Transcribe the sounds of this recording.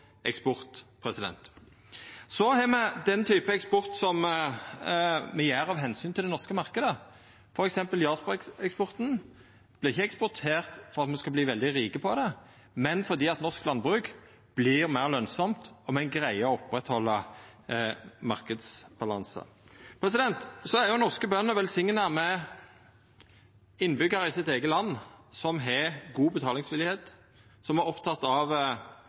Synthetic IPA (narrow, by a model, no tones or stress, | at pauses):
ʔɛkspɔʁt̪pʰɾɛsɪd̪ɛ̰nt̪ | sɔhɛmɛd̪ɛnt̪ʰyːpəɛkspɔʁt̪sɔm | mɛjeːɾɑʋɦɛnsyːnt̪ʰɪld̪ɛnɔʁskəmɑʁkəd̪ə | fɔɾɛksɛmpəljɑːspɔɛkspɔʁt̪n | b̥lɪʁɪçːəɛkspɔʁt̪ʰeːʁt̪fɔʁɑt̪mɛskɑbliːʋɛld̪ɪʁiːkəpʰɔd̪ɛ | mɛnfɔʁd̪iːɑt̪nɔʁsklɑnd̪bʁʉk | b̥lɪʁmæɪʁlœnsɔmt̪ɔmɛæɪnɡʁæɪəɔɔpʁɛt̪hɔlːə | mɑʁkəd̪sb̥ɑlɑnsə̰ | pʰɾɛsɪd̪ɛnt̪sɔæɾjʊnɔʁskəbœnːəʋɛlsɪŋnəmɛ | ɪnːbʏɡɑɾəɪsɪt̪eːɡəlɑnːsɔmɦɛɡuːbət̪ʰɑːlɪŋsʋɪlɪheːt̪ | sɔmæɾɔpt̪ʰɑt̪ːɑʋ